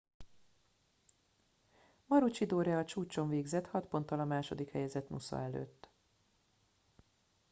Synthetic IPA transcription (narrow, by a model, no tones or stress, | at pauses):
mɒɾut͡ʃid̪oːɾjɛːt͡ʃuːt͡ʃo̞ɱveːɡzɛt̪hɒt̪po̞nt̪ːɒlɒmaːʃo̞d̪ikhɛjɛzɛt̪nusɒ̰ɛlø̰ːt̪ː